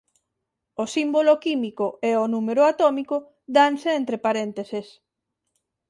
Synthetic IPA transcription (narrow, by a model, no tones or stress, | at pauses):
osimbolokimikoɛonumeɾʊat̪omikʊ | ðanseent̪ɾepaɾent̪eses